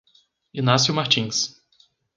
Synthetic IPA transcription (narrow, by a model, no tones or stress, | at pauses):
inasjʊmaɾt͡ʃĩs